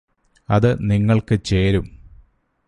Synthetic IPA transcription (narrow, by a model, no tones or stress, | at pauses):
ɐðɨniŋːɐɭkɨt͡ɕeːɾum